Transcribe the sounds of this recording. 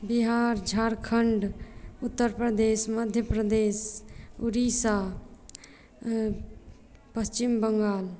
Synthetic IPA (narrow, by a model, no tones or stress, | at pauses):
biɦaːɾd͡ʒʱaːɾkʰəɳɖʊt̪ːəɾpɾəd̪eːsməd̪ʱjəpɾəd̪eːsuɾiːsa | pəst͡ʃɪmbəŋɡaːl